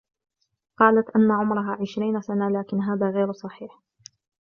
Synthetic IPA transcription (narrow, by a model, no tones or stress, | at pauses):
qɑːlat̪ʔanːaʕʊmɾˤɑɦaːʕɪʃɾiːnasanalaːkɪnɦaːðaːɣeːɾsˤɑħiːħ